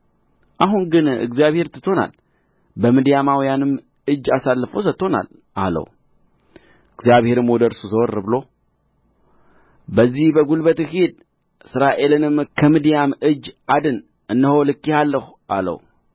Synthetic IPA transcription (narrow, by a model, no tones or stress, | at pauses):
ʔaɦunɡɨnɨ̰ɡzijaβhe̞ɾt̪ʰɨ̥t̪ʰːo̞na̰l | bəmɨd̪ijamawijanɨm | ɨd͡ʒːasalːɨfos̬ət̪ːo̞na̰l | ʔa̰lə̰w | ɨɡzijaβhe̞ɾɨmwɔd̪əɾsuzəwɔrːɨbɨlo̞ | bəzːihbəɡulbət̪hed̪̚ | ɨsɨɾaʔe̞lɨnɨmkʰəmɨd̪ijamɨd͡ʒːad̪ɨn | ʔɨnːəho̞lɨkːihalːəhu | ʔa̰lə̰w